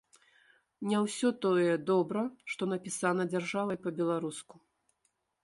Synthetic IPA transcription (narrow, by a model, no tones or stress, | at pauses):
nʲɛwsʲɔt̪ɔjɛd̪ɔbɾɐʂt̪ɔn̪ɐpʲisan̪ɐd͡zʲarʐavɐjpɐbʲɛlˠaɾusku̥